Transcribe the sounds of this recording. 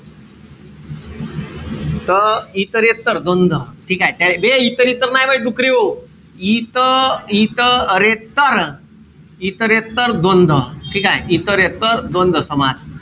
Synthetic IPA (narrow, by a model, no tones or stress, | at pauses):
t̪əit̪əɾet̪ːəɾd̪ond̪ʱəʈʰiːkaɦet̪jabeit̪əɾit̪əɾnajməʈ̚ɖukɾio | it̪əit̪əɾet̪ːəɾ | it̪əɾet̪ːəɾd̪ond̪ʱəʈʰiːkaɦeit̪əɾet̪ːəɾd̪ond̪ʱəsəmad͡z